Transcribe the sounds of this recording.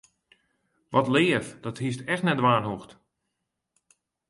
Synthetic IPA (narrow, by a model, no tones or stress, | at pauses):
ʋɔtlɪːəfdɔthis̬tɛxtnɛtdʋaːnɦuxt